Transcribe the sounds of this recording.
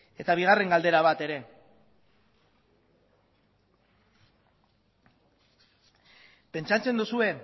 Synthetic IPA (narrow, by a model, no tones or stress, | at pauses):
e̞t̪aβ̞iɣ̞are̞ŋɡald̪e̞ɾaβ̞at̪e̞ɾe̞ | pe̞nt͡ʃat͡se̞nd̪usue̞